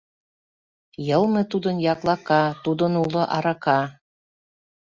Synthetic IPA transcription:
jɤ̆lˠmɤ̆t̪ud̪ɤ̆njɑklˠɑkɑt̪ud̪ɤ̆nulɤ̆ʔɑɾɑkɑ

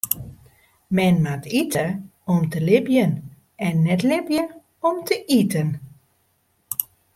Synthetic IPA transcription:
mɛnmatitʰəɔmtəlɪbjən | ɛnːɛtlɪbjə | ɔmtʰəʔitən

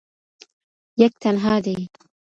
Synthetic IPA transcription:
jak̚t̪anɦaːd̪i

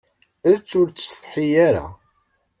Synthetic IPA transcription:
æðt͡sːʊɾt͡sːθħijaɾa̰

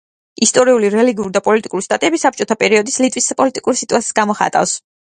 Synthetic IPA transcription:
ist̪ʼɔɾiuliɾɛliɡiuɾid̪apʼɔlit̪ʼikʼuɾist̪ʼat̪ʼiɛbisap̚t͡ʃʼɔt̪ʰapʼɛɾiɔd̪islit̪ʼwispʼɔlit̪ʼikʼuɾisit̪ʼuassɡamɔχa̰t̪ʼa̰fs

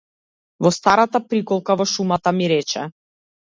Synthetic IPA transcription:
vɔst̪aɾat̪apɾikɔlˠkavɔʃumat̪amiɾɛt͡ʃɛ̰

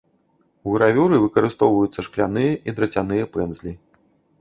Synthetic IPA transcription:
uɣɾavʲuɾɨvɨkɐɾɨst̪ɔwvɐjut̪sːɐʂklʲanɨjɐʔid̪ɾɐt͡sʲanɨjɐpɛnzʲlʲi

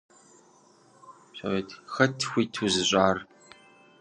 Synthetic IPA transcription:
so̰veːtʰxɐtʰxʷiːtʰuzɨɕʷʼaːr

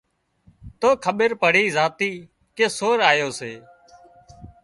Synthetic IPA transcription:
t̪oːkʰəɓəɾpəɽ̤iːzaːt̪iː | keːsoːɾaːjoːseː

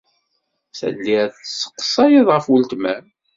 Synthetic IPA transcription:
sæ̰d̪liθsːə̥qːsˤɑjəðˤʁəfwəlt̪mæ

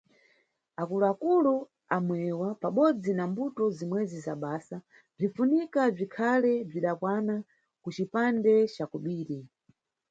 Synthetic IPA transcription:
akuluakulu | amwɛwapaɓɔd͡zinambutɔzimwɛzizaɓaːsa | b͡ʐifunikab͡ʐikʰalɛb͡ʐiɗakwana | kut͡ʃipandɛt͡ʃakuɓiːɾi

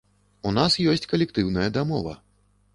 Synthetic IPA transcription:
unasjɔsʲt͡sʲkɐlʲɛkt̪ɨwnɐjɐd̪amɔ̰vɐ̰

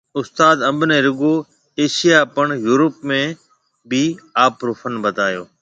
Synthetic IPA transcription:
ʊst̪aːd̪ɐ̃mbneːɾʊɡoː | eːʃijapəɳ̃juːɾəpmẽ | bɪaːpɾuːfʰənbəd̪ʱaːjo̰ː

